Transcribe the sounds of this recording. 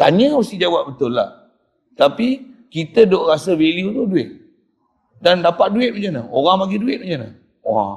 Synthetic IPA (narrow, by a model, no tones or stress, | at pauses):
t̪a̰ɲəməst̪id͡ʒawap̚bət̪ʊlːa̰h | t̪apikit̪ədoʔɾasəveliut̪uduɪt̪̚ | dandapat̪̚duɪt̪̚məd͡ʒənəoɾaŋpaɡiduɪt̪̚məd͡ʒənə | wa